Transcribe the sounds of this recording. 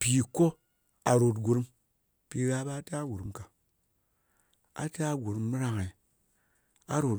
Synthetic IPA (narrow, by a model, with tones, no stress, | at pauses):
pi˨ko˦ | a˨ɾo˨t̬ɡu˨ɾu˦m | pi˧ɾa˦ba˦ta˦ɡu˨ɾu˨˦mka˨ | a̰˨ta˦ɡu˨ɾu˧˦mː˦ɾa˧ŋa˨i˨ | a̰˦ɾo˨t